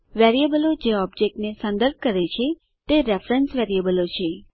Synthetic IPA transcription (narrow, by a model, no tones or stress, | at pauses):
ʋɛɾiebəlod͡ʒeɔb̚d͡ʒek̚ʈnesə̃nd̪əɾb̚ʱkəɾet͡ʃʰe | t̪eɾefɾənsʋɛɾiəbəlot͡ʃʰe